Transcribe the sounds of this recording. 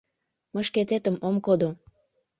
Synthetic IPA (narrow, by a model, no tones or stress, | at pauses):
məʃket̪et̪əmomkod̪o